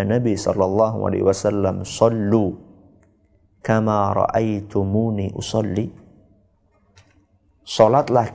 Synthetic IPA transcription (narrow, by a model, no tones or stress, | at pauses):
anabisɔ̰lːɑlˤːɑɦṵa̰la̰huwasalːamsɑlːu | kamaːɾˤɑ̰ʔajt̪ʊmuniːʔʊsɑlːi | solat̪lah